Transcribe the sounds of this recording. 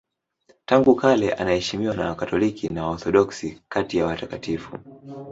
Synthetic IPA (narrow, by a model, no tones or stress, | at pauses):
taŋɡukalɛʔa̰nahɛʃimiwanawakatɔlikinawɔθɔɗɔksikatijawatakatifṵ